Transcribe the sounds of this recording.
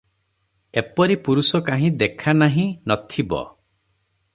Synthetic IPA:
epɔɾipuɾusɔkaɦĩd̪ekʰanaɦĩnɔt̪ʰibɔ̰

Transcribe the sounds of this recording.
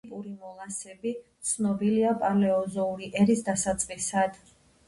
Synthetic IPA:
pʼuɾimɔlˠasɛbit̪sʰnɔbiliapʼalɛɔzɔuɾiʔɛɾisd̪asat̪sʼqʼisad̪̥

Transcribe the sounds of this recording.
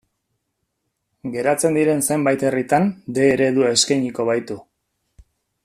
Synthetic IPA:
ɡe̞ɾat͡se̞nd̪iɾe̞nsejmbajt̪e̞rit̪and̪e̞ːɾe̞ðuaeskajɲiko̞βajt̪u

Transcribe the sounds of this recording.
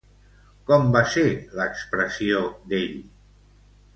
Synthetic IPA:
kɔmbaseləkspɾəsiod̪eʎ

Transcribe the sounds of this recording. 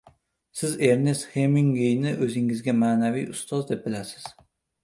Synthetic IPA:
sɪze̞ɾne̞st̪hemɪŋɡejnɪʔɵzɪŋɪzɡʲamaːnavijʊst̪ɒzd̪e̞p̚bɪlasɪ̥z̥

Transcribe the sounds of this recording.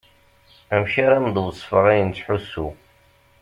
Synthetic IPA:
æmʃaɾamd̪ˤwsˤfəʁæjənt͡sːħusːu

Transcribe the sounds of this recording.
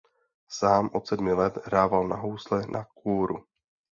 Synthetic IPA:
saːmʔot̪sɛdmɪlɛt̪ɦɾaːvalnaɦowslɛnʔakuːɾṵ

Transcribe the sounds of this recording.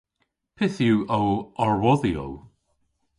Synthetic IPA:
pʰɪθjuːowɔɹwɔðio̰w

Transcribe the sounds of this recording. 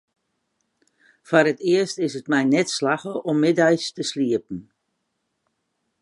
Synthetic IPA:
fɔrɾətɪəstɪsətmɛjnɛtslaxəʔɔmːɪdɛjstəsliəp̚n̩

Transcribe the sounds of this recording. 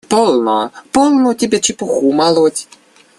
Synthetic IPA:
pɔlˠnɔpɔlˠnɔt̪ʲibʲɛt͡ʃɪpɔxumalˠɔt̪ʲ

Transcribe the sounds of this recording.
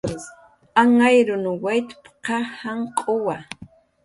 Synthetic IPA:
aŋajɾʊnʊwajt̪pqɑhaɴqʼowa

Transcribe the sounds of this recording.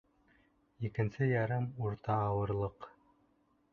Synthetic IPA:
ikɘ̆nsɘjɑɾɤmuɾt̪ɑːwɤ̆ɾlˠɤq

